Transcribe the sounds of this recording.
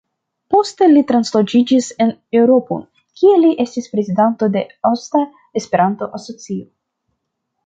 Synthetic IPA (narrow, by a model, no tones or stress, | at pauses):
po̞ste̞litɾanslo̞d͡ʒid͡ʒise̞ne̞wɾo̞po̰ | kʲʰieliʔe̞stispɾe̞zidanto̞de̞osta | espe̞ɾanto̞ʔaso̞t͡sio